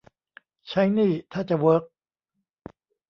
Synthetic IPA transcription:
t͡ɕʰa˦˥jniː˥˩t̪ʰaː˥˩t͡ɕa˨˩wɤː˦˥k̚

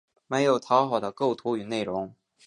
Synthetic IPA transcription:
me˧˥ɪjo˨˩ʊt̪ʰɑ˧˥ʊxɑ˨˩ʊd̪ə˦ko˥˩ʊt̪ʰu˧˥y˨˩ne˥˩ɪɻʊ˧˥ŋ

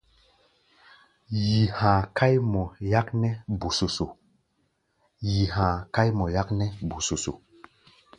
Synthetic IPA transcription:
ji˨hã˨ka˦jmɔ˨ja˦knɛ˦bu˨so˨so˨ | ji˨hãː˨ka˦jmɔ˨ja˦knɛ˦bu˨so˨so̰˨

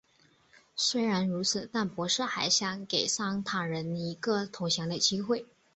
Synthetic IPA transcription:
swe˥ɪɻa˧˥nɻu˧˥t͡sʰɹ̩˨˩t̪a˥˩npwɔ˧˥ʂɤ˥˩xa˧˩ɪɕjɑ˧˥ŋke˨˩ɪsɑ˥ŋt̪ʰa˨˩ɻə˧˥ni˧˥ɡə˥˧t̪ʰʊ˧˥ʊɕjɑ˧˥ŋd̪ə˨˧˩t͡ɕi˥xwe˥˩ɪ

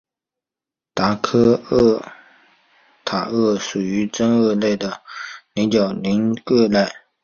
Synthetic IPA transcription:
t̪a˧˥kʰɤ˥ə˥˩ | t̪ʰa˨˩ɤ˥˩ʂu˨˩y˧˥ʈ͡ʂə˥ŋɤ˥˧le˥˩ɪd̪ə˩li˧˥ŋt͡ɕjɑ˨˩ʊli˧˥ŋkɤ˥˧la˥˩ɪ

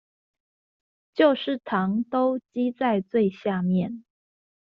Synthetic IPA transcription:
t͡ɕjo˥˧ʊʂɻ̩˥˩t̪ʰɑ˧˥ŋt̪o˥ʊt͡ɕi˥t͡sa˥˧ɪt͡swe˥˧ɪɕja˥˧mjɛ˥˨˩n

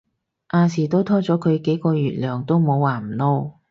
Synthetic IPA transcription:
ʔaː˧siː˨˩t̪o˥wt̪ʰɔː˥t͡sɔː˨˥kʰɵ˨˧ɥke˨˥jkɔː˧ɥyː˨t̚lœː˨˩ŋt̪o˥wmo˨˧wːaː˨˩m̩˨˩no˥w

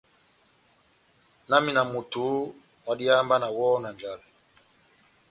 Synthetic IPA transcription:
na˦mi˦˨na˨mu˨tu˨˦ | wa˨ɗi˦a˦mba˦na˨wɔ˦na˨nd͡ʒa˨lɛ˨

